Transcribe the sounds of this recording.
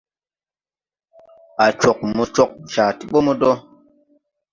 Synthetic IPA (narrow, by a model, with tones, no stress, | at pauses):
a˨t͡ʃo˨k̚mu˨t͡ʃo˦k̚t͡ʃa˨ti˨ɓo˦mu˦dɔ˦